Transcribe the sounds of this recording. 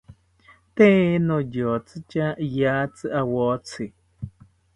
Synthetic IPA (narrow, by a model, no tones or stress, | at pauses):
t̪ẽenõjot͡sɨt͡ʃajat͡sɨʔawot͡sʰi